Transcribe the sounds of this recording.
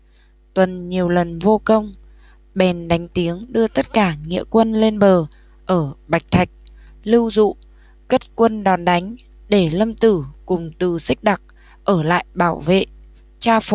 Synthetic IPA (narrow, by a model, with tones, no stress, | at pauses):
t̪wə˨˩nɲi˨˩əwlə˨˩nvo˧kə˧wŋ͡m | ɓɛ˨˩nɗa˨˦jŋ̟t̪i˨˦əŋɗɨ˧ət̪ə˦˥t̚kaː˧˩ŋḭ˧˨əkwə˧nle˧nɓəː˨˩ | ʔəː˧˩ɓa˨˩jk̚t̪ʰa˨˩jk̟̚ | lɨ˧wzṵ˧˨ | kə˦˥t̚kwə˧nɗɔ˨˩nɗa˨˦jŋ̟ | ɗe˧˩lə˧mt̪ɨ˧˩kʊ˨˩ŋ͡mt̪ɨ˨˩sï˦˥k̟̚ɗa˨˩k̚ | ʔəː˧˩la̰ː˧˨jɓaː˧˩wvḛ˧˨ʔ | t͡ɕaː˧f